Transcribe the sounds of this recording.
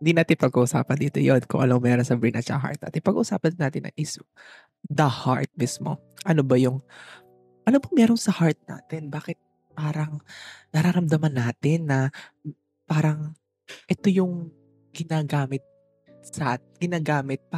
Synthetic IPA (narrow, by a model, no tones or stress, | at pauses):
hɪnd̪iːnaːt̪ɪnpɐɡ̚kuʔʊsa̰ːpɐnd̪iːt̪ojonkʊ̰ŋʔɐ̰loŋmɛːɾonsɐbɾinɐt͡ʃɐ̰ɦa̰ɹt̪̚a̰ːt̪ɪnpɐɡṵʔʊsa̰ːpɐnnaːt̪ɪnʔɐ̰ŋʔɪs | d̪ɐha̰ɹt̪̚mismo̞̰ | ʔɐnobɐjʊŋ | ʔɐnobɐŋmɛːɾonsɐhaɹt̪̚na̰ːt̪ɪnbaːkɪt̪̚ | paːɾɐŋnɐɾaɾɐmd̪ɐmɐnːaːt̪ɪnːɐ | paːɾɐŋ | ʔɛt̪ojʊŋ | ɡɪnaːɡaːmɪt̪̚ | sɐ | ɡ̥ɪnaːɡaːmɪt̪̚p